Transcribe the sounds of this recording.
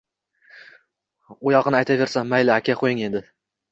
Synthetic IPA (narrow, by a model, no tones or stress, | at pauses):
ojɒqɨnɪajt̪ʰave̞ɾsammajlɪakʲaqʰojɪŋe̞d̪ɪ